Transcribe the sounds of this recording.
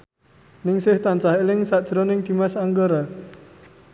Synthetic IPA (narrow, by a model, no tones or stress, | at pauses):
nɪŋsɪht̪ant͡ʃahelɪŋsad̥ʒ̥ɾɔnɪŋd̪̥i̤masaŋɡəɾa